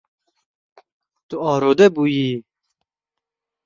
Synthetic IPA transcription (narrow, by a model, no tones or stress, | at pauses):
t̪uɑːɾoːd̪ɛbuːjiː